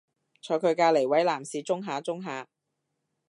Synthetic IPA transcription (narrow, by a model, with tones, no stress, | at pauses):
t͡ʃʰɔː˨˧jkʰɵ˨˧ɥkaː˧le˨˩jwɐ˨˥jlaː˨˩msiː˨˧t͡sʊ˥ŋɦaː˨˧˥t͡sʊ˥ŋɦaː˨˧